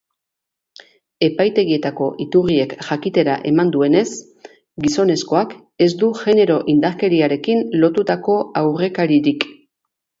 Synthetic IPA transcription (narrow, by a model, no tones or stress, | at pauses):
e̞pajt̪e̞ɣie̞t̪ako̞ʔit̪urie̞kʝakit̪e̞ɾaʔe̞mand̪ue̞ne̞s | ɡiso̞ne̞sko̞ak | e̞zd̪uʝe̞ne̞ɾo̞ʔind̪aɾkeɾiaɾe̞kinlo̞t̪ut̪ako̞awre̞kaɾiɾik